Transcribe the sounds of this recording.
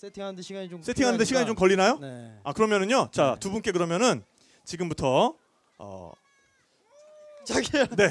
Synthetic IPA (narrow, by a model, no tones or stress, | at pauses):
setʰiandeɕʰiɡaɲis͈ʰe̞tʰiŋɦanɯndeɕʰiɡaɲit͡ɕomkʌʎːinajoeakɯɾʌmjʌnɯnɲot͡ɕatubunk͈e̞k̬ɯɾʌmjʌnɯn | t͡ɕiɡɯmbutʰʌ | ʌ̰ | t͡ɕaɡene̞